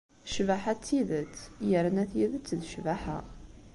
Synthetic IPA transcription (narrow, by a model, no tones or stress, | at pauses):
ʃvaħat͡sːiðət͡sːjəɾnæθjiðət͡sːðʃvæħa̰